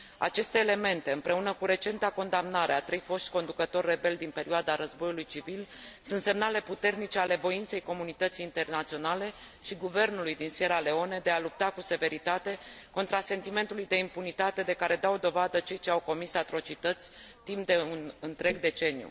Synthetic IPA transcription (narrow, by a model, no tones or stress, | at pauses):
a̰t͡ʃe̞st̪e̞ːle̞me̞nt̪e̞ɨmpɾe̞unəkuɾe̞t͡ʃe̞nt̪ako̞nd̪amnaɾeat̪ɾe̞jfo̞ʃt̪ʲko̞nd̪ukət̪o̞rʲːe̞be̞ld̪inpe̞ɾiad̪aɾəzbo̞julujt͡ʃivilsunt̪se̞mnale̞put̪e̞rnit͡ʃe̞ale̞vo̞int̪se̞jko̞munit̪ət̪sijːnt̪e̞rnat̪sio̞nale̞ | ʃiɡuve̞rnulujd̪inseɾale̞o̞ne̞d̪e̞alup̚t̪akuse̞ve̞ɾit̪at̪e̞ko̞nt̪ɾase̞nt̪ime̞nt̪ulujd̪e̞impunit̪at̪e̞d̪e̞kaɾe̞d̪awd̪o̞vad̪ət͡ʃe̞jt͡ʃe̞awko̞misat̪ɾo̞t͡ʃit̪ət̪sʲt̪impd̪e̞unɨnt̪ɾe̞ɡd̪e̞t͡ʃe̞nijṵ